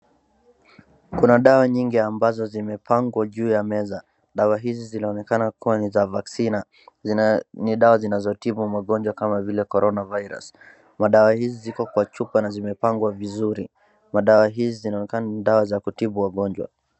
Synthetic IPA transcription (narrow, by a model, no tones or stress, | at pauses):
kunaɗawaɲiŋɡiambazɔzimɛpʰaŋɡwaʄuːjamɛza | ɗawaɦizizinaɔnɛkanakuwanizavaksina | niɗawazinazɔtiɓumaɠɔɲd͡ʒwakamavilɛkɔɾɔnavajɾa̰s | maɗawahizizikɔkwat͡ʃupanazimɛpaŋɡwavizuɾi | maɗawaɦizizinaɔnɛkananiɗawazakutiɓuwaɠɔɲd͡ʒwa̰